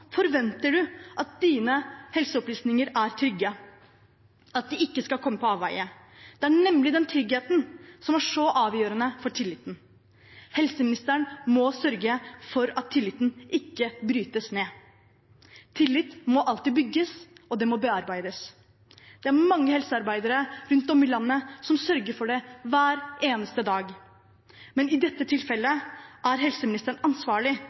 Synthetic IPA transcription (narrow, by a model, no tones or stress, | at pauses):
fɔɾʋɛnt̪əɖʉʔɑt̪̚d̪iːnəhɛlsəɔpliːsnɪŋəɾæɾt̪ʰɾʏɡːə | ɑt̪̚d̪ɪɪkːəskɑlkʰɔmːəpɔɑːʋæ̰ɪə | d̪ɛæɳɛmːlɪd̪ɛnt̪ʰɾʏɡheːt̪n̩sɔmæʂɔʔɑːʋjøːɾənəfɔʈʰɪlːɪt̪ːn̩ | hɛlsəmɪnɪst̪əəɳmɔsœɾɡəfɔɾɑt̪ʰːɪlːɪt̪ːn̩ʔɪkːəbɾyːt̪əsneː | t̪ʰɪlːɪt̪ːmɔʔɑlt̪iːbʏɡːəsɔd̪ɛmɔbɛɑɾbæɪd̪əs | d̪̥ɛæɾmɑŋːəhɛlsəɑɾbæɪd̪əɾəɾʉnt̪ɔmɪlɑnːəsɔmsœɾɡəɾfɔɖɛʋæːɾeːnəst̪əd̪ɑːɡ | mɛnɪd̪ɛt̪ːət̪ʰɪlfɛlːəʔæɾɦɛlsəmɪnɪst̪əɳɑnsʋɑːɭɪ